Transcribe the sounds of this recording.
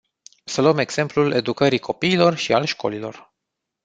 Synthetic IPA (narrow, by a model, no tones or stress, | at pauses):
səluəme̞ɡz̥e̞mplule̞d̪ukəɾikʰo̞piːlo̞rʃialʃko̞̰lilo̞̰r